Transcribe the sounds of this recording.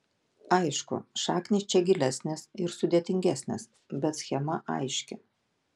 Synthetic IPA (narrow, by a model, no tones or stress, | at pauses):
ɐɪʃkʊ̰ʃɑːknʲɪst͡ʃʲɛɡʲɪlʲæsʲnʲɪsɪɾsʊd̪ʲeːt̪ʲɪŋʲɡʲæsʲnʲɪs | bʲɛt̪sʲxʲɛmɐʔɐ̰ɪʃʲkʲɪ